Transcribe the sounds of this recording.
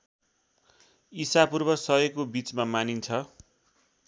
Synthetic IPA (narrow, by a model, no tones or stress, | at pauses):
isapurbʌsʌɦekobit͡smamanint͡sʰʌ